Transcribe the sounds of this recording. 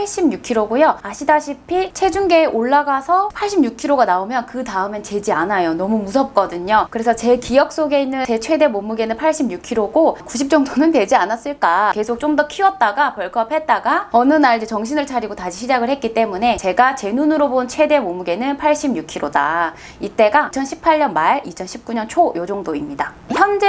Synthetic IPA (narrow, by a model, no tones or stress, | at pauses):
paɭɕ͈imɲukʰiɾoɡojoaɕʰidaɕʰipʰit͡ɕʰwe̞d͡ʑuŋɡe̞ːʔoɭːaɡasʰʌpʰaɭɕ͈ʰimɲukʰiɾoɡanaomjʌnkɯtaɯment͡ɕe̞d͡ʑianajonʌmumusʰʌp̚k͈ʌdɯɲokɯɾe̞sʰʌt͡ɕe̞kijʌk̚s͈oɡe̞inːɯne̞t͡ɕʰwe̞de̞momuɡe̞nɯnpʰaɭɕ͈ʰimɲukʰiɾoɡokuɕ̬ʰip̚t͡ɕ͈ʌŋtʰonɯntwed͡ʑianas͈ɯɭk͈ake̞sʰok̚t͡ɕ͈omdʌkʰiwʌt̚t͈aɡapʌɭkʰʌp̚ʰe̞t̚t͈aɡaʌnɯnaɾd͡ʑet͡ɕʌŋɕʰinɯɭt͡ɕʰaɾiɡotaɕʰiɕʰid͡ʑaɡɯɭhɦe̞t̚k͈it͈e̞mune̞t͡ɕe̞ɡat͡ɕe̞nunɯɾobont͡ɕʰwe̞de̞momuɡe̞nɯnpʰaɭɕ͈imɲukʰiɾoda̰ | it͈e̞ɡaŋt͡ɕʰʌnɕʰipʰaɭːʌnmaɭit͡ɕʰʌnɕʰip̚k͈uɲʌnt͡ɕʰojod͡ʑoŋdoimɲida | çjʌnd͡ʑe